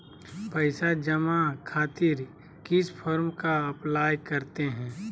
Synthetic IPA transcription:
pəɪsad͡ʒəmakʰaːt̪ɪɾ | kɪspʰɔːɾmkaɐplaːjkɐɾt̪eɦɛ̃ː

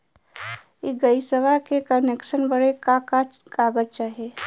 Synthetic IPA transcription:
jeɡəisəʋakekənekʃənbəɽekakaɡaːɡəd͡ʒt͡ʃaːɦeː

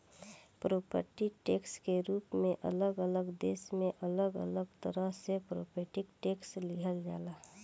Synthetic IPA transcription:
pɾoːpə̰ɾʈiʈeːkskeɾuːpmẽʔə̰ləɡələɡd̪eːsmẽʔələɡə̰ləɡt̪əɾəɦsepɾo̰ːpʰeːʈɪkʈeːkslɪɦəld͡ʒa̰ːlaː

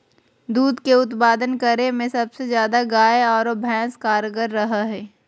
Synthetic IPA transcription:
d̪uːd̪keʊt̪paːd̪ənkɐɾemẽsɐbsezjaːd̪aɡaːeɔːɾobʱɛ̃ːskaːɾɡəɾːɐɦaɦɛː

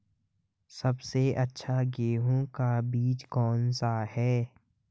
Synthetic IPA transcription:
səbseʔətːʃʰaɡeːɦõkabiːt͡ʃkɔːnsaɦɛː

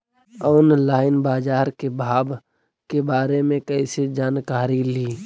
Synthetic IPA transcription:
ɔʊnlaːɪnbaːd͡ʒaːɾkebʱaːb | kebaːɾemẽkəɪsed͡ʒaːnkaːɾiliː

